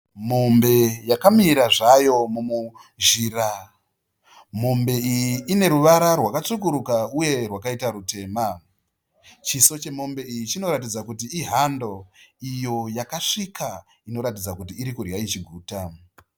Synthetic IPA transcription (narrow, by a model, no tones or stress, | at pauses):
mo̞mbe̞jakamiiɾaʐajo̞mumu | ʒiːra | mo̞mbe̞ijiːne̞ɾuʋaɾarwakat͡sukuɾukauje̞rwakaitaɾute̞ːma | t͡ʃiso̞t͡ʃe̞mo̞mbe̞ijit͡ʃino̞ɾat̬id͡zakutiiɦando̞ijo̞jakaʂikʰa | ino̞ɾatid͡zakutiːɾikurjait͡ʃiɡʱuːta